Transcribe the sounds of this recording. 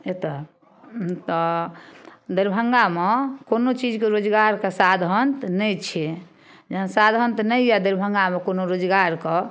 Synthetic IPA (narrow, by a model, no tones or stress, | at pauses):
et̪ɔ | t̪ɔ | d̪iɾbʱəŋɡamekonot͡ʃid͡ʒkeɾod͡ʒɡaɾkesad̪ʱənt̪nɛjt͡ʃʰe | d͡ʒeɦənsad̪ʱənt̪nɛjad̪iɾbʱəŋɡamekonoɾod͡ʒɡaɾke